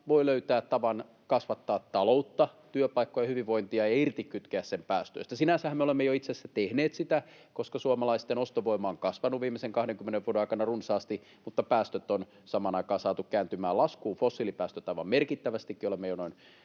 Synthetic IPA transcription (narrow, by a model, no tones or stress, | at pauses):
ʋoiløyt̪æːt̪t̪ɑʋɑn | kɑsʋɑt̪ːɑːt̪tɑlout̪ːɑt̪yøpɑikːojɑhyʋiʋʋo̞int̪iɑejɑirt̪ikkyt̪keæssempæːst̪ø̰st̪æsinænsæhæmeolemːejoit̪sesːæt̪ehneːt̪sit̪æ | koskɑsuɑmɑlɑist̪enost̪oʋoimˑɑːŋkɑsʋɑnuʋʋiːmːˑeseŋkɑhɾeŋkymːeneʋuodenɑˑikɑnɑrunsɑːst̪i | mut̪ːɑpæːst̪øt̪ːon | sɑmɑnɑikɑːsɑːt̪ukkæːnt̪ymæːlɑskuːfosːilipæːst̪øt̪ɑiʋɑ̰mmerkit̪ːæʋæst̪ikːiolemːejonoin